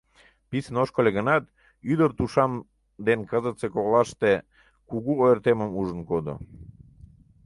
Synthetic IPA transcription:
pisənoʃkolʲeɣənɑt̪ | yd̪ərt̪uʃɑm | d̪enkəzət͡sekoɣlɑʃt̪e | kuɣuojrt̪eməmuʒənkod̪o̰

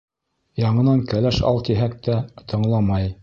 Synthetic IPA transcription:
jɑɴɤ̆nɑŋkælæʃɑ̰lˠt̪iɦæk̚t̪æt̪ʰɤ̆ɴlˠɑmɑj

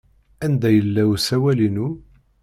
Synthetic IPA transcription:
ænd̪æjəlːæwsæwælinu

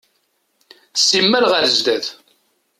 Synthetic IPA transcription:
θsːimːælʁəɾzd̪æð

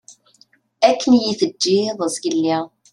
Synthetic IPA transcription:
ækːənjiθəd͡ʒːiðˤəzɡilːi

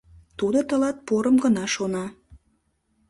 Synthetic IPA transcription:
t̪ud̪ot̪ə̆lɑt̪̚poɾəmɡənɑʃonɑ

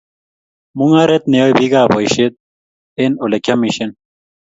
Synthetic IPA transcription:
muŋaɾet̪newebiɡaːboiɕet̪̚ | enolekʲʰɐmiɕen

